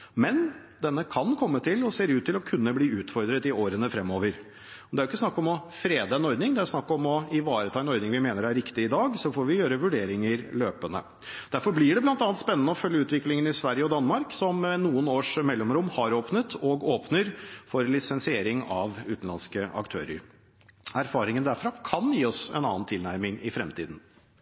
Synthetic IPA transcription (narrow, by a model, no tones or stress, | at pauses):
mɛn | d̪ɛnːəkʰɑnkʰɔmːət̪ʰɪlɔseːɾʉːt̪ʰːɪlɔkʰʉnːəbliːʉːt̪fɔɾd̪ɾət̪ɪoːɾənəfɾɛmːoːʋəɾ | ɔd̪ɛæɾʊɪkːəsnɑkːɔmɔfɾeːd̪əɛnɔɾd̪nɪŋd̪ɛæɾsnɑkːɔmɔɪʋɑːɾət̪ʰɑːɛnɔɾd̪nɪŋʋɪmeːnəɾæɾːɪkt̪ɪɪd̪ɑːɡsɔfoːɾʋɪjøːɾəʋʉɖeːɾɪŋəɾløːpənə̰ | d̪̥æɾfɔɾblɪɖɛblɑnt̪ɑnt̪spɛnːənəɔfœljːəʉːt̪ʋɪklɪŋənɪsʋæɾjəɔd̪ɑnːmɑɾksɔmnuːənoːʂmɛlːɔmɾʊmːhɑɾoːpnət̪ʰɔɡoːpnəɾfɔɾlɪsɛnsɪeːɾɪŋɑʋʉːt̪n̩lɑ̰nskəʔɑ̰kt̪ʰø̰ːɾə̰ɾ | æɾfɑːɾɪŋənd̪æɾfɾɑkʰɑnjiːɔsɛ̰nɑ̰ːənt̪ʰɪlnæɾmɪŋɪfɾɛmt̪iːd̪n̩